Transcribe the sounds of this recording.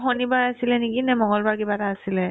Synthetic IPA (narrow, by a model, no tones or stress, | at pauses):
xonibajasilɛnekinɛmɔŋɡɔlbaɹkibataːsilɛ